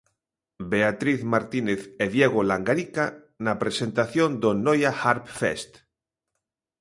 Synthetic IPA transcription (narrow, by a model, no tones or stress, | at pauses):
beat̪ɾiθmaɾt̪ineθeðjeɣ̞olaŋɡaɾika | napɾesent̪aθjond̪onojaxaɾpfḛst̪